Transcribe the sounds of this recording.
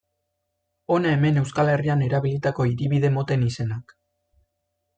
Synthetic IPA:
o̞naeme̞ne̞wskale̞riane̞ɾaβ̞ilit̪ako̞iɾiβiðe̞mo̞t̪e̞nise̞nak

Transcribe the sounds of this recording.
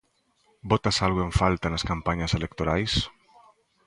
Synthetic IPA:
bot̪asalɣoeɱfalt̪anaskampaɲaselekt̪oɾajs

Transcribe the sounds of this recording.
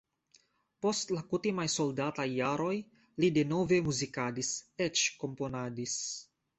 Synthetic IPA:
po̞stlakutimajso̞ldatajːaɾo̞j | lide̞no̞ve̞muzikadiset͡ʃko̞mpo̞nadis

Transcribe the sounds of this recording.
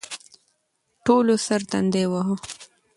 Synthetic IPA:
ʈolosəɾt̪and̪ewaɦo

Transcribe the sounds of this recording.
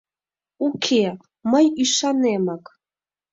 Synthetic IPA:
ukʲʰe | məjiʂanemak

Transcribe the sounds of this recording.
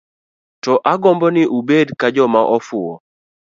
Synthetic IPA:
tɔʔaɡɔmbɔnɪʔubedkad͡ʒɔmaʔɔfʊɔ

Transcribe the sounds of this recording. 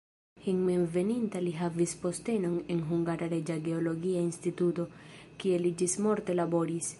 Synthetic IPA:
hiŋmenve̞nintaliɦavispo̞ste̞no̞ne̞nɦuŋɡaɾaɾe̞d͡ʒaɡe̞o̞lo̞ɡiainstituto̞kie̞lid͡ʒismo̞ɾte̞labo̞ɾis

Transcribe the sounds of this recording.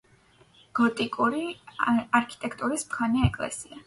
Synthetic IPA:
ɡ̥ɔt̪ʼikʼuɾiaɾkʰi̥t̪ʼɛkʰt̪ʼuɾismχʰaniaɛkʼlɛ̰sia

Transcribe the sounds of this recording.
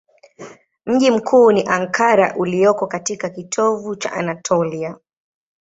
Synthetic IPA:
m̩ʄim̩kʰuːniʔaŋkʰaɾa̰ʔulijɔkɔkatikakitʰɔvut͡ʃa̰ʔa̰natʰɔlia

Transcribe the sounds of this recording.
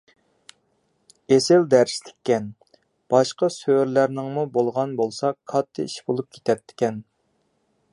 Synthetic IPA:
esɪld̪æɾst̪ʰɪ̥kʲʰːɛn | b̥ɑʃqɑsøɾlæɾnɪŋmubolˠʁɑnbolˠsɑkʰɑt̪ʰːɨ̰iʃbolˠup̚kʲʰe̥t̪ʰɛt̪ʰːɪ̥kʲɛn

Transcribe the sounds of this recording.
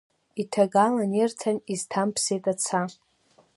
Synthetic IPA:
itʰaɡalanirtʰaniztʰampʰsejtʼat͡sʰa

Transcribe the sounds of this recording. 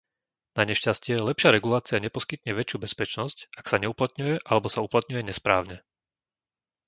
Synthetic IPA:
naɲɛʃcascɪɛlɛpʃɪaɾɛɡulaːt͡siaɲɛpɔskit̪ɲɛʋɛt͡ʃɪjuːbɛspɛt͡ʃnɔscaksaɲɛuplat̪ɲujɛʔalɛbɔsauplat̪̚ɲujɛɲɛspɾa̰ːʊɲɛ

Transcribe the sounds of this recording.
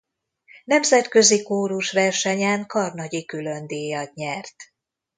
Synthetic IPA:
nɛmzɛt̪kø̞zikoːɾuʃʋɛrʃɛɲaːŋkɒrnɒɟikylønd̪eːjɒt̪ɲɛrt̪

